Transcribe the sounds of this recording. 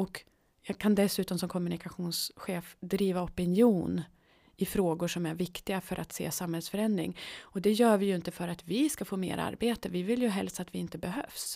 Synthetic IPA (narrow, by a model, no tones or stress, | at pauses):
ɔk | jɑːɡkʰand̪ɛsʉ̟ːt̪ɔmsɔmkʰɔmːɵnɪkaɧuːnsɧeːfd̪ɾiːvaɔpɪnjuːn | ɪfɾoːɡʊʂɔmæɾvɪkt̪ɪɡafœɾʔa̰t̪sḛːsamhɛlsfœɾɛnd̪ɾɪ̰ŋɔd̪ɛjœːvɪjɵɪnt̪əfœɾat̪vɪskafoːmḛːɾʔa̰ɾbeːt̪əvɪvɪljɵɦɛlst̪at̪vɪɪnt̪əbɛɦø̰ːfs